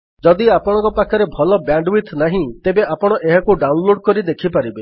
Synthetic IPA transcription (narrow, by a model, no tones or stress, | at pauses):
d͡ʒɔd̪iapɔɽ̃ɔ̃ŋkɔpakʰɔɾebʱɔlɔbaɳɖwit̪ʰnaɦĩt̪ebeapɔɽ̃ɔʔeɦakuɖaunloɽkɔɾid̪ekʰipaɾibe